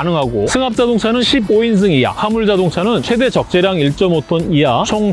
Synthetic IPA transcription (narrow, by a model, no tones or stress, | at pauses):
nɯŋɦaɡosʰɯŋap̚t͡ɕ͈adoŋt͡ɕʰanɯnɕʰiboins̬ʰɯŋija̰hamuɭd͡ʑadoŋt͡ɕʰanɯnt͡ɕʰwe̞de̞t͡ɕʌk̚t͡ɕ͈eɾjaŋiɭt͡ɕ͈ʌmotʰonijat͡ɕʰoŋ